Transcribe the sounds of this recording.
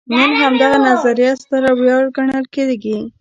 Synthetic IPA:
nənɦamd̪aɣanazaɾijɑst̪aɾawjɑɽɡaɳəlked̪eɡi

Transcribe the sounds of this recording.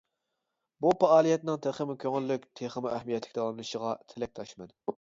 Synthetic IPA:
bupɑɑːlˠijɛt̪nɪŋt̪ʰeχəmukʲʰøŋɪlːykʲt̪ʰeχəmuʔæhmijɛt̪ʰlɪkʲt̪ʰɛɑlˠɨnɨʃəʁɑt̪ʰɪlɛk̚ʲt̪ʰɑʃmɛn

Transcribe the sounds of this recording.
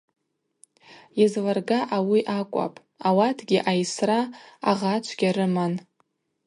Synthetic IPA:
jazlarɡaʔawiʔakʷʼa̰pʼ | awatʰɡʲɪʔajsra̰ːʁat͡ʃʷʰɡʲaɾɨman

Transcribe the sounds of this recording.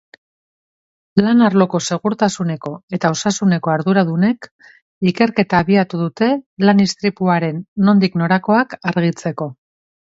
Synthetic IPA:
lanaɾlo̞ko̞se̞ɣ̞uɾt̪asune̞ko̞e̞t̪aosasune̞ko̞aɾðuɾaðune̞k | ike̞ɾke̞t̪aβiat̪uðut̪e̞lanist̪ɾipuaɾe̞nːo̞nd̪ikno̞ɾako̞akaɾɣ̞it͡se̞ko̞

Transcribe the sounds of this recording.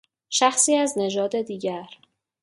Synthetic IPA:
ʃæxsiːæzne̞d͡ʒɒːd̪e̞d̪iːɟæɾ

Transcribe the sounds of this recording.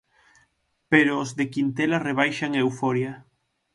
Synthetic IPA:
peɾoːzðekint̪elareβ̞ajʃaŋewfoɾja

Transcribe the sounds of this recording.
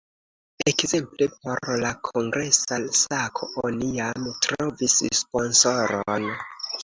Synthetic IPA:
ekze̞mplepo̞ɾlakʰo̞ŋɡɾe̞sasakʰoonijamtɾo̞visspo̞nsoɾon

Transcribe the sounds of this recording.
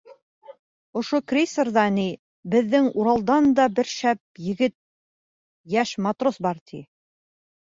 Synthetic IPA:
ŏʃokrʲisɤrðɑni | bɘ̆ðːɘŋuɾɑlˠd̪ɑnd̪ɑbɘɾʃæp̚jɘ̆ɡɘt̪̚ | jæʃmɑt̪rosbɑɾt̪ʰi

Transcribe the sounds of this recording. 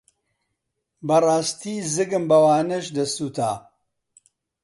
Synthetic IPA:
bɐraːst̪iːzɨɡɨmbɐwaːnɐʃd̪ɐst̪uːt̪ʰa̰ː

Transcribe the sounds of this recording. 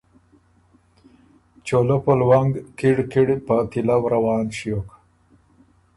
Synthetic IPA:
t͡ʃolopolwaŋɡkiɽkiɽpat̪ilawɾawɑːnʃjok

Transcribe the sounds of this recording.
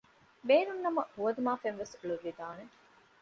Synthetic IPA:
beːnunːɐmɐhuʋɐd̪umaːfenʋesuɭuʋːid̪aːne

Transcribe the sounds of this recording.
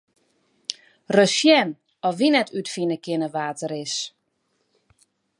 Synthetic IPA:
røsjɛn | ɔʋinɛtʰytfinəkɪnəʋaːtəɾɪs

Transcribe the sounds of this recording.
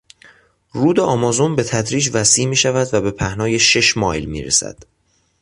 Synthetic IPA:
ruːd̪eʔɒːmɒːzonbe̞t̪ʰæd̪ɾiːd͡ʒvæsiːmiːʃævæd̪væbe̞pʰæhnɒːje̞ʃe̞ʃmɒːjlmḭːɾḛsæ̰d̪̥

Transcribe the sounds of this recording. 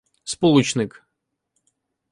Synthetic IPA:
spɔlˠut͡ɕnɨk

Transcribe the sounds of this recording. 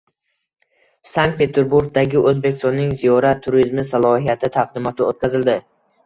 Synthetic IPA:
saŋk̚t̪pʰe̞t̪ʰe̞ɾbuɾɡ̚d̪aɡʲɪʔɵzbekʲɪ̥st̪ɒnːɪŋzijɒɾat̪ʰːʊɾizmɪsalˠɒhijat̪ʰɪt̪ʰaq̚d̪ɪmɒt̪ʰɪot̪̚kʲʰazɪld̪ɪ

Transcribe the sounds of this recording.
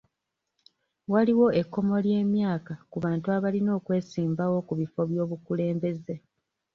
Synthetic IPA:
waliwo̞e̞kːo̞mo̞lje̞ːmjaːkakuβaːntuaβalino̞ːkwe̞ːsiːmbawo̞kuβifo̞βjo̞ːβukule̞ːmbe̞ze̞

